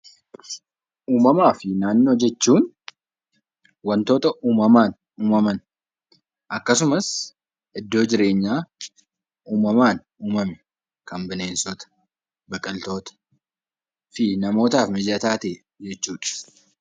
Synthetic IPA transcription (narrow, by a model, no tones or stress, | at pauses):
ʔuːmɐmaːfɪnaːnːo̞ːd͡ʒɛt͡ʃːuːn | wɐnt̪o̞ːt̪ɐʔuːmɐmaːn | uːmɐmɐn | ʔɐkːɐs̬ʊmɐs | ʔɪd̪ːoːd͡ʒɪɾe̞ːɲːaː | ʔuːmɐmaːn | uːmɐmɛ | kɐmbɪneːnsɔt̪ɐ̥ | bɐkʼːɐlt̪o̞ːt̪ɐ̥ | fɪnɐmo̞ːt̪aːfmɪd͡ʒɐt̪aːt̪eː | d͡ʒɛt͡ʃːuːᶑɐ̥